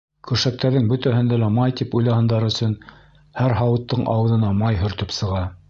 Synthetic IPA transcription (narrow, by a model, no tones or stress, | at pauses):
kɵ̆ʃæk̚t̪æɾðɘŋbɵ̆t̪æɦɘ̆nd̪ælæmɑjt̪ipujlˠɑhɑnd̪ɑɾɵ̆sɵn | hæɾɦɑwɤ̆t̪ːɤɴʔɑ̰wɤ̆ðɤ̆nɑmɑjɦɵ̆ɾt̪ɵpsɤ̆ʁɑ